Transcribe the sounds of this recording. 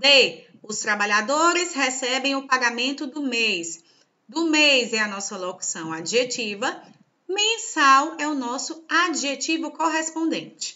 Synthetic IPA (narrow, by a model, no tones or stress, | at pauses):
d̪e | ʊst̪ɾabaʎad̪oɾɪshɛsɛbẽj̃ʊpaɡamẽnt̪ʊd̪ʊmejs | d̪ʊmejzɛɐnɔsɐloku̥sɐ̃w̃ad͡ʒiʒet͡ʃivɐ | mẽsawɛʊnɔsʊad͡ʒiʒet͡ʃivʊkoɦespõnd̪ẽnt͡ʃɪ̥